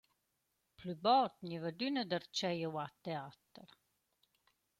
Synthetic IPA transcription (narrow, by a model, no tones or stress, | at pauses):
plybɔɾt̪ɲivəd̪ynəd̪əɾt͡ʃɛjəwat̪ɛat̪əɾ